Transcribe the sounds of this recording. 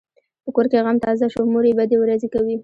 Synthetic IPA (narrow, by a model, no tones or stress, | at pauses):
pəkoɾkeɣamt̪ɑzaʃomoɾebad̪ewɾazekawi